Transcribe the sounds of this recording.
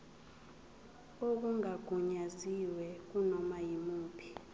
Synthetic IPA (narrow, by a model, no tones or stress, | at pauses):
ok̬uŋaɡ̥ʱuɲaziwɛk̬unɔmajimuːpʰi̥